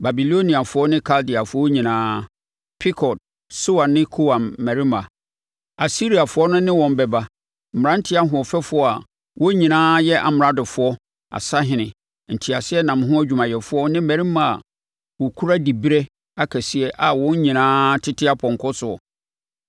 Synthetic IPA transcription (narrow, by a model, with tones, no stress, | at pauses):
ba˨bi˨lo˦nĩ˨a˨fʊ˦ɔ˦nɪ̃˦kʰa˦ldɪ˨a˨fʊ˨˦ɔ˦ɲĩ˨nãː˦ | pʰɪ˦kʰɔ˨t̚ | so˦wa˨nːɪ̃˦kʰo˦wã˨mːɛ˨ɾi˦mã˨ | a˨si˦ɾi˨a˨fʊ˨˦ɔ˦nʊ̃˦nɪ̃˦wɔ̃˨m˦bɛ˨ba˦ | m̩˨m̩˨ɾã˦n̩˦tʰɪ˦a˦ɦʊ̃˨ɔ˨fɛ˦fʊ˨ɔ˦a˨ | wɔ˦ɲĩ˨nãː˦jɛ˦ʔa̰˨m˨ɾa˦dɪ˨fʊ˨ɔ˦ | a̰˨sa˦ɦɪ̃˨nɪ̃˨ | n̩˨tʰɪ˨a˨sɪ˦ɛ˦nã˨m˦ɦʊ̃˦æ˦d͡ʑᶣu˨mã˨jɛ˨fʊ˦ɔ˦nɪ̃˦mæ˨ɾi˦mã˨a̰˨ | wɔ˨kʰu˦ɾa˦di˨bi˦ɾɛ˦ | a˨kʰɛ˨si˦ɛ˦ʔa˨wɔ̃˦ɲ˦ɲĩ˨nãː˦tʰɪ˦tʰɪ˦a˦pʰɔ̃˨ŋ˨kʰɔ˦sʊ˨ɔ̰˨